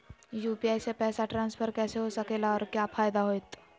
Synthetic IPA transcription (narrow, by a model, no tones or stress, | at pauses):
juːpiaːɪsepɛːsaʈɾãːnspʰəɾkɛːseɦosɐkeːlaɔːɾkjaːfʰaːjd̪aɦoːjt̪